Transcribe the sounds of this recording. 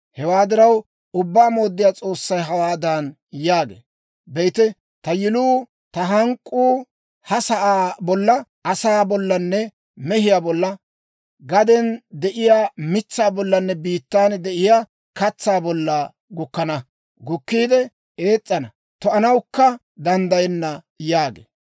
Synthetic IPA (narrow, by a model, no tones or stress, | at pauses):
hɛwaːd̪ɪɾɐw | ʊbːaːmo̞ːd̪ːɪjaːt͡sʼo̞ːsːɐjɦɐwaːd̪an | jaːɡḛː | bɛjt̪ɛ | t̪ɐjɪluː | t̪ɐɦɐŋkʼːuː | hɐsɐʔaːbɔlːɐ | ɐsaːbɔlːɐnːɛ | mɛɦɪjaːbɔlːɐ | ɡɐd̪ɛnd̪ɛʔɪjaːmɪt͡sːaːbɔlːɐnːɛbiːt̪ːaːnd̪ɛʔɪjaː | kɐt͡sːaːbɔlːɐ | ɡʊkːɐnɐ | ɡʊkːiːd̪ɛ | e̞ːt͡sʼːɐnɐ | t̪ɔɐnɐwkːɐ | d̪ɐnd̪ɐjɛnːɐ | jaːɡḛː